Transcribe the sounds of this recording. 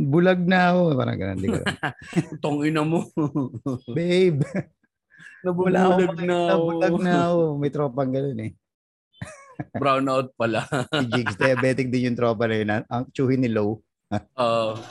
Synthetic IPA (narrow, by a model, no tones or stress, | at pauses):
bʊlɐɡ̚nɐɐkopa̰ːɾɐ̰ŋɡɐ̰no̰nd̪ɪ̰t̪oŋʔɪnɐmo | bɛjb | nɐbbʊlaɐɡnɐnɐbʊlɐnɐɐkomɐjt̪ɾoːpɐŋɡɐnonɛ | bɾawnawt̪̚pɐlad͡ʒiɡsd̪ɐjɐbɛːt̪ɪk̚d̪ɪnjʊŋt̪ɾoːpɐnɐjonɐʔɐŋt͡ʃuːhɪnɪlow | ʔo